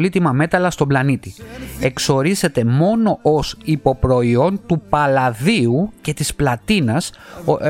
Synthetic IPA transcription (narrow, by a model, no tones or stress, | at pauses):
lit̪imɐme̞t̪ɐlɐst̪o̞blɐnit̪ie̞kso̞ɾize̞t̪e̞mo̞no̞ʔosipo̞pɾo̞io̞nt̪upɐlɐðiuce̞t̪isplɐt̪inɐs